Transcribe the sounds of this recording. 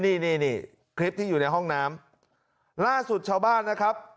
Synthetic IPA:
niː˥˩niː˥˩niː˧˥˩ | kʰɾi˦˥p̚t̪ʰiː˥˩juː˨˩na˧jɦɔ˥˩ŋnaː˦˥m | laː˥˩su˨˩t̪̚t͡ɕʰaː˧wbaː˥˩nːa˦˥kʰa˦˥p̚

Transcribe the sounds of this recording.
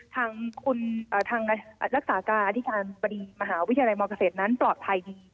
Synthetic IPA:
t̪ʰaː˧ŋkʰu˧nʔəː˨˩t̪ʰaː˧ŋ˧ɾa˦˥k̚saː˩˦kaː˧nʔa˧t̪ʰi˦˥kaː˧nba˧diː˧ma˧ɦaː˩˦wi˦˥˧jla˧jmɔː˧ka˧seː˨˩t̪̚na˦˥nplɔː˨˩t̪̚pʰa˧jdiː˧

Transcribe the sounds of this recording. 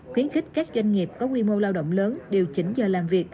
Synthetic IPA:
xwi˨˦ənxï˦˥k̟̚kaː˦˥k̚zwa˧jŋ̟ŋi˨˩əp̚kɔ˨˦ŋwi˧mo˧laː˧wɗə̰˧˨wŋ͡mləː˨˦nɗe˨˩wt͡ɕï˨˦ŋ̟zəː˨˩laː˨˩mvi˨˩ək̚

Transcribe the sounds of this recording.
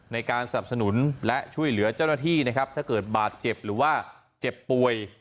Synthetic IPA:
na˧jkaː˧nsa˧na˨˩p̚s̬a˧nu˩˦nlɛ˦˥t͡ɕʰu˥˩əjlɯ˩˦ɐt͡ɕa˥˩wnaː˥˩t̪ʰiː˥˩na˦˥kʰa˦˥p̚t̪ʰaː˥˩kɤː˨˩t̪̚baː˨˩t̪̚t͡ɕe˨˩p̚ɾɯː˩˦waː˥˩ | t͡ɕe˨˩pːu˨˩əj

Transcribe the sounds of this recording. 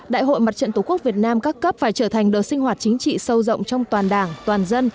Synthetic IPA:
ɗa̰ː˧˨jɦo̰˧˨jma˨˩t̚t͡ɕə̰˧˨t̪u˧˩ku˦˥ək̚vi˨˩ət̚naː˧mkaː˦˥kːə˦˥p̚faː˧˩jt͡ɕəː˧˩t̪ʰa˨˩jŋ̟ɗəː˨˩sï˧ŋ̟ɦwaː˨˩t̚t͡ɕï˨˦ŋ̟t͡ɕḭ˧˨sə˧wzə̰˧˨wŋ͡mt͡ɕɔ˧wŋ͡mt̪waː˨˩nɗaː˧˩ŋt̪waː˨˩nzə˧n

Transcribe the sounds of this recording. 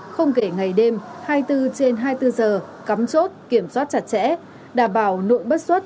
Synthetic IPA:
xə˧wŋ͡mke˧˩ŋa˨˩jɗe˧mhaː˧jt̪ɨ˧t͡ɕe˧nɦaː˧jt̪ɨ˧zəː˨˩ | ka˨˦mt͡ɕo˦˥t̚ki˧˩əmswaː˦˥t̚t͡ɕa˨˧˩t̚t͡ɕɛ̰˧˥ | ɗaː˧˩mɓaː˧˩wno̰˧˨jɓə˦˥t̚swə˦˥t̚

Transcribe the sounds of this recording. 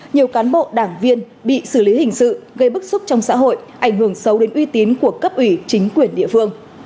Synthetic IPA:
ɲi˨˩əwkaː˨˦nɓo̰˧˨ɗaː˧˩ŋvi˧ən | ɓḭ˧˨sɨ˧˩li˨˦hï˨˩ŋ̟sɨ̰˧˨ɣə˧jɓɨ˦˥k̚sʊ˦˥p̚t͡ɕɔ˧wŋ͡msa̰ː˧˥ɦo̰˧˨jʔʔa˧˩jŋ̟ɦɨ˧˩əŋsə˨˦wɗe˨˦nʔwi˧t̪i˨˦nku˧˩əkə˦˥p̚ʔwi˧˩t͡ɕï˨˦ŋ̟kwi˧˩ənɗḭ˧˨əfɨ˧əŋ

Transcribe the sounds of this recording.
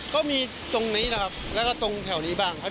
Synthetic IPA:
kɔː˥˩miː˧ | t̪o˧ŋniː˦˥na˧˩kʰa˦˥p̚lɛː˦˥kɔː˥˩t̪o˧ŋt̪ʰɛ˨˩˦wniː˦˥baː˥˩ŋkʰa˧˥˩

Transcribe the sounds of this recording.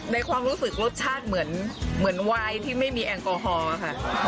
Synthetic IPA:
na˧jkʰwaː˧mɾuː˦˥sɯ˨˩k̚ɾo˦˥t̪̚t͡ɕʰaː˥˩t̪̚mɯ˩˦ənmɯ˩˦ənwaː˧jt̪ʰiː˥˩ma˥˩jmiː˧ʔɛ˧ŋkɔː˧ɦɔː˧a˧˩kʰa˥˩

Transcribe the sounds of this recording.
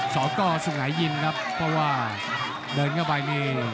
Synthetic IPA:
sɔː˩˦kɔː˥˩so˨˩ŋaː˩˦jːi˧nkʰa˦˥pʰːɾɔ˦˥waː˥˩ | dɤː˧nŋa˥˧˩baː˧jni˥˩

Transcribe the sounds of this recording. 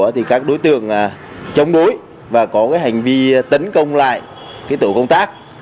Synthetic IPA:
ət̪ʰi˨˩kaː˦˥k̚ɗo˨˦jt̪ɨ̰˧˨əŋː˨˩ | t͡ɕə˨˧˦wŋ͡mɗo˨˦j | vaː˨˩kɔ˨˦kaː˨˦jɦa˨˩jŋ̟vi˧t̪ə˨˦nkə˧wŋ͡mla̰ː˧˨j | kaː˨˦jt̪ṵ˧˨kə˧wŋ͡mt̪aː˦˥k̚

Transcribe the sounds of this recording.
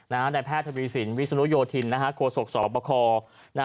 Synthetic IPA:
naː˦˥mna˧jpʰɛː˥˩t̪ʰːa˧wiː˧si˩˦nwi˦˥sa˧nu˦˥joː˧t̪ʰi˧nːa˦˥kʰa˦˥kʰu˧so˨˩k̚sɔː˨˩˦pɔː˧kʰɔː˧ | na˦

